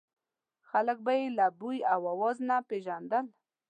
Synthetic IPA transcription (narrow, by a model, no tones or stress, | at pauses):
xalək̚bajelabujawawɔznapeʒand̪əl